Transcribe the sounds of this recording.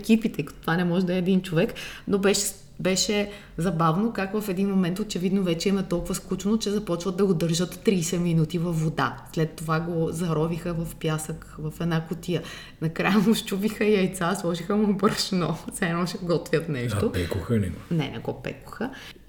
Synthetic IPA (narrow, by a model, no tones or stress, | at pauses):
kipit̪ɛikɐ̥t̪o̥t̪vanɛmɔʒɛd̪ɐɛːd̪int͡ʃovɛknobɛʃɛ | bɛʃɛ | zɐbavnokakvɐfɛd̪inmomɛnt̪ot͡ʃɛvid̪novɛt͡ʃɛimɛt̪ɔlˠkʊvəsklˠut͡ʃnot͡ʃɛzɐpɔt͡ʃvət̪d̪ɐɡod̪əɾʒət̪ːɾiːsɛminut̪ivɐfːod̪a̰slɛt̪ːovaɡozɐɾɔvixəvɐfpjasəkvɐfɛd̪nakʊt̪ijə | nɐkɾajəmoʃt͡ʃuvixəiɐjt̪saslˠɔʒixəmobəɾʃnɔsɛmɔʃɛɡɔt̪vʲjət̪nɛʃopɛkʊxənɛ̰ɡnɛ̰nɛ̰ɡɔpɛ̰kʊ̥xə